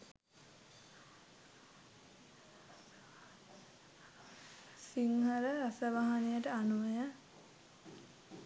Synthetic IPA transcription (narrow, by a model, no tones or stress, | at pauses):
siŋɦəɾəɾasəʋaɦanejəʈəanuʋəjə